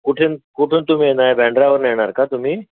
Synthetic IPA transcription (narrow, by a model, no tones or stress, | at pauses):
kuʈʰeːnkuʈʰent̪um̤inaebʱɛ̃ɳɖɾaʋəɾneɦɽ̃aɾkat̪um̤iː